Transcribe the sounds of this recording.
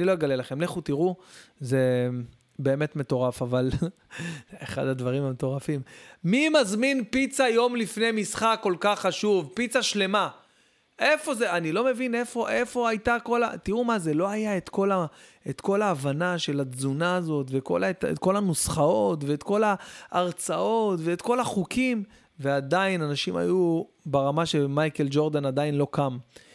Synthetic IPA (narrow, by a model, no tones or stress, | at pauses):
nilo̞jeɡale̞laχe̞mleχut̪iʁuze̞ | be̞ːme̞t̪me̞t̪o̞ʁafaval | eχa̰d̪had̪vaʁimamet̪o̞ʁafimmimazminpit͡sajo̞mlifnejmisχakːo̞lkaχːaʃuvpit͡saʃle̞ma | ʔe̞fo̞zeanilo̞me̞vine̞fo̞ʔe̞fo̞ajt̪ako̞la̰t̪iʁumaze̞lo̞ajae̞t̪ko̞la | et̪ko̞laːvanaʃe̞lad͡zunaːzo̞t̪ve̞ko̞̰latḛt̪ko̞lanusχao̞t̪ve̞ːt̪ko̞laːʁt͡sao̞t̪ve̞ːt̪ko̞laχukʰim | ve̞ad̪ainanaʃima̰ju | beʁamaʃemajke̞ld͡ʒo̞ʁd̪anad̪ainlo̞kam